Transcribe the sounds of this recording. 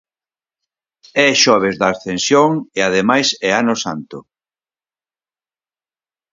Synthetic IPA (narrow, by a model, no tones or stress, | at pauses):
ɛʃɔβ̞ezðaːsθensjoŋeað̞emajsɛanosant̪ʊ